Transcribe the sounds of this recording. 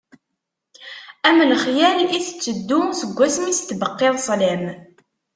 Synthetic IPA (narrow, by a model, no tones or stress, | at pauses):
æmənəχjæliθə̥t͡sːəd̪ːumsəɡʷːæsmist̪ːbəqːɪðˤsˤlæm